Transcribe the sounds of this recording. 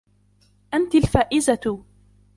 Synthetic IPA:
ʔant̪alfaːʔɪzat̪ʊ

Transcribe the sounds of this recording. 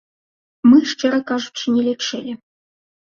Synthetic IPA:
mɨʂt͡ʂɛɾɐkaʐut͡ɕinʲɛlʲɛt͡ʂɛlʲi

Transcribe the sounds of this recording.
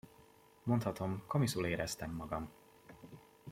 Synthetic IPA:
mo̞nt̪hɒt̪o̞mko̞misuleːɾɛst̪ɛmːɒɡɒm

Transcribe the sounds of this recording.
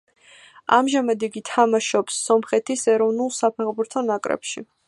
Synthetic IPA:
a̰mʒamad̪iɡit̪ʰamaʃɔpsːɔmχɛt̪ʰisɛɾɔvnulˠsapʰɛχbuɾt̪ʰɔnakʼɾɛ̰pʃḭ

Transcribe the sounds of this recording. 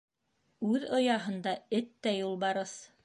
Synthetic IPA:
ʉðŏjɑɦɤ̆nd̪ɑɘt̪ːæjulˠbɑɾɤθ

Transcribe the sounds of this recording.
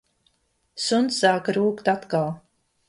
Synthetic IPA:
sunsːaːkɾuːkt̪at̪kalˠ

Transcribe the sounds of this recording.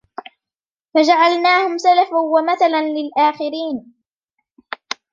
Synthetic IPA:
fad͡ʒaʕalnaːhʊmsalafawamaθalanlɪlʔaːxɪɾiːn

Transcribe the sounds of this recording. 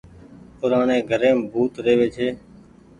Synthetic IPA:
pʊɾaːɳeːɡʱəɾẽːbʱuːt̪ɾeːʋeːt͡ʃʰeː

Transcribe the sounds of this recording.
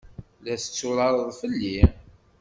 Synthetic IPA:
læθət͡sːʊɾˤɑɾˤəðˤfəlːi

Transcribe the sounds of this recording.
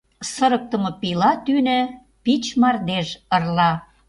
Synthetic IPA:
səɾək̚t̪ə̆mɤ̆pilɑt̪ynɘ̆ | pit͡ɕmɑrd̪eʒə̆rlɑ

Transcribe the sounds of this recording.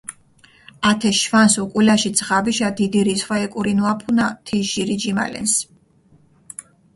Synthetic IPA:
at̪ʰɛʃvansukʼulaʃid̪zʁabiʃad̪id̪iɾisχwaɛkʼuɾinuapʰunat̪ʰɛʒiɾid͡ʒima̰lɛ̰ns

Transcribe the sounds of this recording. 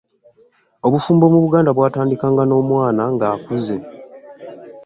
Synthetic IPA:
oβufuːmbo̞muβuɡaːndaβwaːtaːndikaːŋɡano̞ːmwaːnaŋɡaːkuze

